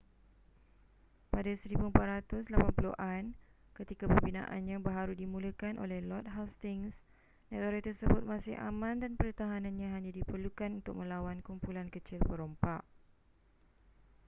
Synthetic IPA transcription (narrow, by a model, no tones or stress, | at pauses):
padasəɾibuəmpaʔ̪ɾat̪ʊslapanpuloʔan | kət̪ikapəmbinã̰ʔa̰nɲãbəɦaɾudimũləkanʔo̰lɛhlɔt̪̚ɦawst̪ɪŋs | nãt̪oɾat̪ərsəbʊt̪̚mãsɪhʔa̰mãndanpəɾət̪aɦanãnɲãɦaɲãdipərlukanunt̪ʊk̚mə̃lawankumpulankət͡ʃɪlpəɾompaʔ